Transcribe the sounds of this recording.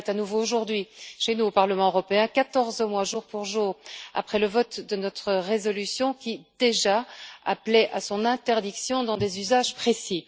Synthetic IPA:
t̪anuvooʒuʁd̪ɥiʃenuopaʁləmɑ̃øʁɔpeɛ̃kat̪ɔʁzmwaʒuʁpuʁʒuːʁa̰pχɛləvɔt̪d̪ənɔt̪χəʁezɔlysjɔ̃kʲid̪̥eʒaaplɛʔasɔ̃nɛ̃t̪ɛʁd̪iksjɔ̃d̪ɑ̃d̪ezyzaʒpχesi

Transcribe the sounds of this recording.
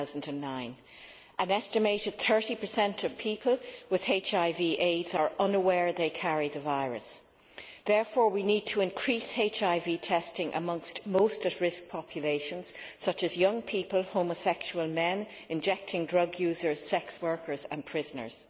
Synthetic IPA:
ʊzn̩də̃nːãɪ̃n | ʔə̃nɛstɨmeɪɾɨd̪̥̚θɜ˞ɾipʰə˞sɛ̃ntʰʌv̥pʰipʰəlˠwɪð̥eɪt͡ʃaɪviːʔeɪdzə˞ʔʌ̃nəwɛɹðeɪkʰaɹiðəvaɪɹɨ̰s | ðɛɹfɔːɹwinid̚tʰəɪ̃nkʰɹ̥isheɪt͡ʃaɪvitʰɛstɪ̃ŋʔə̰mʌ̃ŋstmoʊstətɹɪsk̚pʰɑpʰjəleɪʃə̃nz̥sʌt͡ʃɨzjʌ̃ŋpʰipəlˠhõʊməsɛkʃuəlˠmɛ̃n | ɪ̃nd͡ʒɛk̚tʰɪ̃ŋdɹʌɡjʉːzə˞z̥sɛkswɜ˞kʰə˞zə̰̃npʰɹ̥ɪzənə̰˞z̥

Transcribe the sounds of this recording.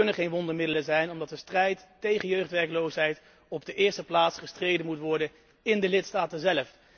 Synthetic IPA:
ɵnəχejnʋɔndəɹmɪdələzɛjnɔmdɑtdəstrɛjtːejχənjøɥχtʋɛɹklowsɦɛjt | ɔb̚dəʔɪːɹstəplaːtsχəstrejdənmutʋɔɹdən | ɪndəlɪtstaːtənzɛləf

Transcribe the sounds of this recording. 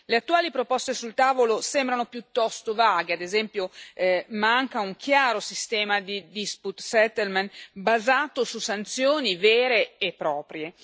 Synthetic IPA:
leat̪ːuaːlipɾopɔst̪esult̪aːvolosɛmbɾanopjut̪ːɔst̪ovaːɡead̪ezɛmpjo | maŋkauŋkʰjaːɾosist̪ɛːmad̪id̪isput̪sɛt̪elmenbazaːt̪osusant̪sjoːnivɛːɾeːpːɾɔːpɾje

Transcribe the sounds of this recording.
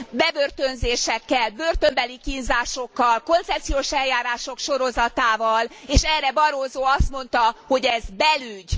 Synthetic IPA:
bɛbørt̪ønzeːʃɛkːɛlbø̞rt̪ømbɛlikinzaːʃo̞kːɒlko̞nt̪sɛp̚t̪sijoːʃɛljaːɾaːʃo̞kʃoɾo̞zɒt̪aːvɒleːʃɛrːɛbɒɾoːzoːɒst̪mo̞nt̪ɒho̞ɟɛzbɛlyɟ

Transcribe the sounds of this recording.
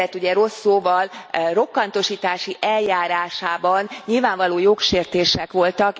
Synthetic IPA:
ɛt̪ːuɟɛɾo̞sːoːvɒlro̞kːɒnt̪o̞ʃiːt̪aːʃiʔɛljaːɾaːʃaːbɒnɲilvaːɱvɒloːjokʃeːrt̪eːʃɛkʋo̞lt̪ɒk

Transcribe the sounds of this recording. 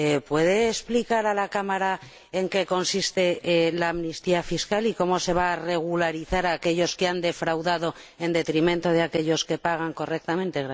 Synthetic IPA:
epwe̞ð̞eːsplikaɾalakamaɾa | eŋke̞ko̞nsist̪e̞laːmnist̪iafiskaliko̞mo̞se̞β̞aːre̞ɣ̞ulaɾiθaɾake̞ʎo̞skeand̪e̞fɾawðaðo̞e̞nd̪e̞t̪ɾimẽnt̪o̞ð̞eake̞ʎo̞ske̞paɣ̞aŋko̞re̞k̚t̪amẽ̞nt̪eɣɾa

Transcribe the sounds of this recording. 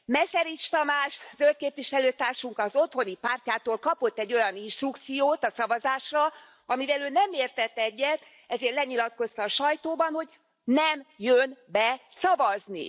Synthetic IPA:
mɛsɛɾit͡ʃt̪ɒmaːʃzøl̚keːpʋiʃɛløːt̪aːrʃuŋkɒzo̞t̪ho̞nipaːrcaːt̪oːlkɒpo̞t̪ːɛɟːo̞jɒninʃt̪rukt̪sijoːt̪ɒsɒvɒzaːʃrɒ | ɒmivɛløːnɛmeːrt̪ɛt̪ːɛɟːɛt̪ | ɛzeːrlɛɲilɒt̪̚ko̞st̪ɒːʃɒjt̪oːbɒnho̞ɟ | nɛmjønbɛsɒvɒznḭ

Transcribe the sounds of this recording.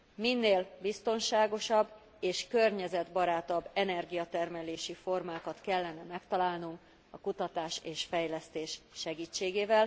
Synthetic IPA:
minːeːlbist̪o̞nʃaːɡo̞ʃɒbː | eːʃkørɲɛzɛd̪bɒɾaːt̪ɒbːɛnɛrɡijɒt̪ɛrmɛleːʃifo̞rmaːkɒt̪kɛlːɛnɛmɛkt̪ɒlaːlnuŋk | ɒkut̪ɒt̪aːʃeːʃfɛjlɛst̪eːʃʃɛɡiːt͡ʃːeːɡeːvɛl

